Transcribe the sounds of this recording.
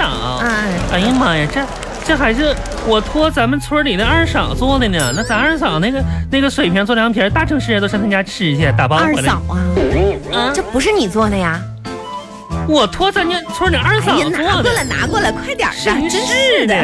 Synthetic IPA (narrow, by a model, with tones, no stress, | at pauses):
ɑ˨˩˦ŋ˦˥˧a˧˥i˥ma˥˩ja˨˩ʈ͡ʂə˥˩˧ | ʈ͡ʂə˥˩xa˧˥ɪʂ̬ɻ̩˥˩ | wɔ˨˩t̪ʰwɔ˥t͡sa˧˥mə˨nt͡sʰɔ˧˥li˨˩nə˥˧ɐ˞˥˧ʂɑ̰˨˩ŋt͡swɔ˥d̪ə˧˩n˧˩˧na˥˩t͡sa˧˥a˞˥˧ʂɑ˨˩ŋna˥˩ɡə˩na˥˩ɡə˩ʂwe˨˩ɪpʰjɛ˧˥nt͡swljɑ˧˥pʰjɛ˧˥t̪a˥˩ʈ͡ʂʰɤ˧˥ŋʂɻ̩˥˧˥nt̪o˥˩ɕt̪ʰt͡ɕja˥ʈ͡ʂʰɻ̩˥˩i˧˥ɕ̬jɛ˥˩t̪a˥˩pɑ˥˧˥ɑ˨˩˦ɐ˧˥˧ | ʈ͡ʂə˥˩pu˧˥ʂ̬ɻ̩˥˩ni˨˩t͡swɔ˥˩d̪ə˩ja˩ | wɔ˨˩t̪ʰwɔ˥t͡sa˥˩njɛ˥˧nt͡sʰu˧˥li˨˩a˞˥˧sɑ˨˩˧na˧wɔ˥˩lə˨˩na̰˧˥kwɔ˥˩lə˩kʰwa˥˩ɪt̪jɑ̰˨˩ʂdə˧˥˩əɛ˧